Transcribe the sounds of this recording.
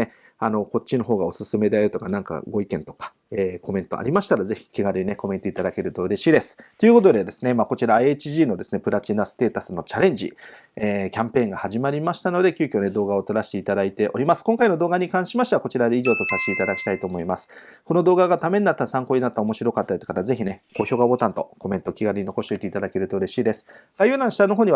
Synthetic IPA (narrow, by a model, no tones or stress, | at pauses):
e | ano̞ko̞t͡ɕːino̞ɦo̞ːɡao̞sɨsɨme̞d̪e̞aɾɯ̟t̪o̞kanãŋka̰ɡo̞ikẽ̞nt̪o̞̥kḁ | eːko̞mẽ̞nt̪o̞̰ʔa̰ɾʲimaɕi̥t̪aɾaze̞çʲi̥kʲiɡaɾɯ̟ine̞ko̞mẽ̞t̪o̞it̪ad̪ake̞ɾɯ̟t̪o̞ɯ̟ɾe̞ɕiːd̪e̞sɨ̥t̪o̞jɯ̟ːko̞t̪̬o̞d̪e̞d̪e̞sɨnemaːko̞t͡ɕiɾaiet͡ɕiʑiːno̞d̪e̞sɨne̞pɯ̟ɾat͡ɕinasɨ̥t̪e̞ːt̪asɨno̞t͡ɕaɾẽ̞ɲ̟d͡ʑḭ | eːkʲãmpẽ̞ːŋɡahaʑimaɾʲimaɕi̥t̪ano̞d̪e̞kʲɨːkʲo̞ːne̞d̪o̞ːɡao̞t̪o̞ɾaɕi̥t̪e̞it̪ad̪ait̪e̞ʔo̞ɾʲimasɨ̥kõŋkaino̞d̪oːɡaɲ̟ikãɰ̃ɕimaɕi̥teako̞t͡ɕiɾad̪eiʑo̞ːt̪o̞saɕt̪eit̪ad̪akʲi̥t̪ait̪o̞ːmo̞imasɨ̥ko̞nod̪o̞ːɡaɡat̪amẽ̞ɲʲinat̪ːasãŋko̞ːɲinat̪ːaomo̞ɕiɾo̞kat̪ːat̪ːekat̪aze̞çʲineko̞ːçʲo̞ːɡabo̞t̪ãnt̪o̞̰ko̞me̞nt̪o̞kʲiɡaɾɯ̟ɲino̞ko̞ɕt̪oit̪eit̪ad̪ake̞ɾɯ̟t̪o̞ɯ̟ɾe̞ɕiːd̪e̞sɨ̥ɡ̥ajɯ̟nãɰ̃ɕi̥t̪ano̞ɦoːɲ̟i